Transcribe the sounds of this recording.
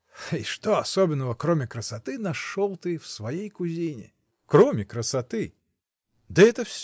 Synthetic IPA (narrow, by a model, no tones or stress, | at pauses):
iʂt̪ɔɐsɔbʲɪnːəvəkɾɔmʲɪkɾəsat̪ɨnaʂɔlˠt̪ɨwsvajejkuzʲinʲɪ̰ | kɾɔmʲɪkɾəsat̪ɨ | d̪ɨɛt̪əfsʲ